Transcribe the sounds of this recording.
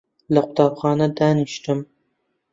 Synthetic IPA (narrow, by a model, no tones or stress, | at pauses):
laqʰʊ̥t̪ɑpχɑːnad̪anɪʃt̪ɪm